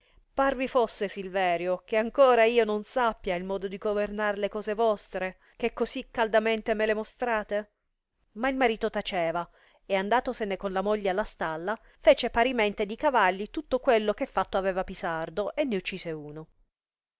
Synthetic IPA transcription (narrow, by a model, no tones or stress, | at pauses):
parvifosːesilvɛːɾjokeaŋkoːɾaiːononsapːjailmɔːd̪od̪iɡovernaɾlekɔːzevɔst̪ɾe | kekːozikːald̪ament̪emelemost̪ɾaːt̪e | mailmaɾiːt̪ot̪at͡ʃɛːva | eand̪aːt̪osenekonlamoʎːaalːast̪alːa | feːt͡ʃepaɾiment̪ed̪ikavalːit̪ut̪ːokwelːok̟efːat̪ːoavɛːvapisard̪oʔenːeut͡ʃːiːseuːno